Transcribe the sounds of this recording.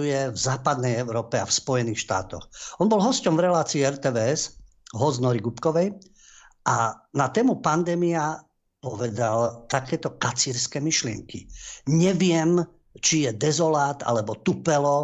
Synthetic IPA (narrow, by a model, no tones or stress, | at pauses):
ujɛvzaːpad̪nɛjɛʊɾɔːpɛafspɔjɛniːxʃt̪a̰ːt̪ɔ̰xɔnbɔlɦɔscɔmvɾɛlaːt͡siːɛɾt̪ɛːʋɛːɛz | ɦɔznɔɾiɡupkɔʋɛj | ʔanat̪ɛːmupand̪ɛːmia | pɔʋɛd̪alt̪akɛːt̪ɔkat͡siːɾskɛmiʃlɪɛ̰ŋkḭɲɛʋɪɛm | t͡ʃijɛd̪ɛzɔlaːt̪a̰lɛbɔt̪upɛlɔ